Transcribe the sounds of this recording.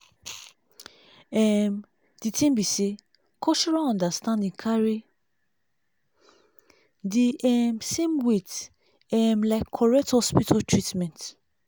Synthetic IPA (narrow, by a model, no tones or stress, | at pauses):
ɛm | d̥itʰĩmbise | kʰɔʃɔɹãɔ̃ndastãndĩŋkʰaɹi | diʔɛmsẽmwet | ɛmlaɪkʰːɔɹɛk̚thɔspitʰɔtʰɹitmɛ̃nt